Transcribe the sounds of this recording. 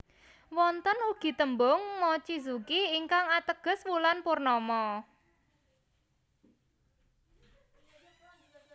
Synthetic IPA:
wɔnt̪ənuɡ̥i̤t̪əmbʊŋmɔt͡ʃizukiːŋkaŋat̪əɡ̥ə̤swulanpurnɔmɔ

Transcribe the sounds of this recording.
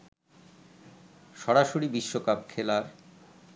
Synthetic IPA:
ʃɔɾaʃoɾibiʃːokap̚kʰelaɾ

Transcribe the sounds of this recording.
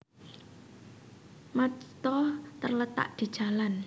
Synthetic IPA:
mat͡ʃt̪ɔt̪ərlət̪a̰ʔd̪̥i̤d̥ʒ̥a̤lan

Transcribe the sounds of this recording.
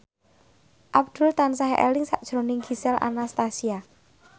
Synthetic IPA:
ʔab̚d̪̥ṳlt̪ansaɦɛʔḛlɪŋsa̰ʔd̥ʒ̥ɾo̤nɪŋɡisɛlʔa̰nast̪asia

